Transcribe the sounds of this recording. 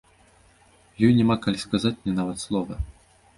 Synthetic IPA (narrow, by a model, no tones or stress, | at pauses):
jɔjnʲɛmakalʲiskazat͡sʲnʲɛnavɐt̪slˠɔvɐ